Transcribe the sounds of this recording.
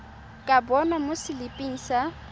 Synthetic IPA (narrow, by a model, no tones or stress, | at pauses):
kʼabɔnamʊsɪlɪpʼiŋ̩sa